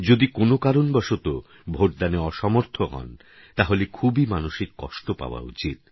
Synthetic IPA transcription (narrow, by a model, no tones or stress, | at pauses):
d͡ʑod̪ikonokaɾonbɔʃot̪o | bʱoʈ̚d̪aneɔʃɔmoɾt̪ʰoɦɔ̰n | t̪aɦolekʰubimanuʃikːɔ̰ʃʈopa̰oa̰ṵt͡ɕit̪̚